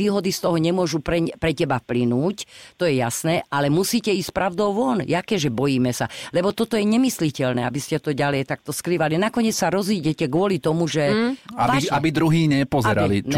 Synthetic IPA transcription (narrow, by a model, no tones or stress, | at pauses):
iːɦɔd̪ist̪ɔɦɔɲɛmʊɔʒupɾɛɲpɾɛcɛbafplinuːct̪ɔjɛjasnɛːʔalɛmusiːcɛiːscpɾaʊd̪ɔʊʋɔnjakɛːʒɛbɔjiːmɛsalɛbɔt̪ɔt̪ɔjɛɲɛmislicɛlnɛ̰ːabiscɛt̪ɔɟalɛjt̪ak̚t̪ɔskɾiʋalinakɔɲɛt͡ssaɾɔziɟɛcɛɡʊɔlit̪ɔmuʒɛaaabid̪ɾuɦiːɲɛpɔzɛɾa̰li